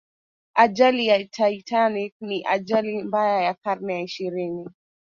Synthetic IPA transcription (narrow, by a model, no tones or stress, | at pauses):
aʄalijaitaitanik̚niʔaʄalimbajajakaɾnɛaiʃiɾini